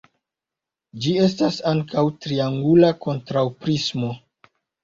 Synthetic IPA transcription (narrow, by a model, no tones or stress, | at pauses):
d͡ʒie̞s̬tasaŋkʰawtɾiaŋɡulako̞ntɾawpɾismo̞